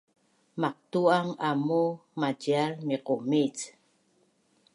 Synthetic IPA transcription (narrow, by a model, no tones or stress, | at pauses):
maq̚t̪uaŋamumad͡ʒialmiqomit͡s